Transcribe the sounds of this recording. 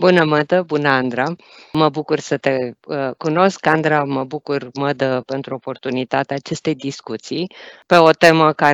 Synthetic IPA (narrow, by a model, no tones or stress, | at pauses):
bunəməd̪əbunəand̪ɾa | məbukursət̪e̞kuno̞skand̪ɾaməbukurməd̪əpe̞nt̪ɾuo̞po̞rt̪unit̪at̪eaːt͡ʃe̞st̪e̞jd̪iskut̪sijpe̞o̞t̪e̞məka